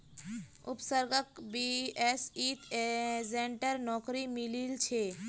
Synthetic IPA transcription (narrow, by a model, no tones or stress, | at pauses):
upsəɾɡəkbiesit̪ʰezeɳʈəɾnɔkɾimililt͡ʃʰe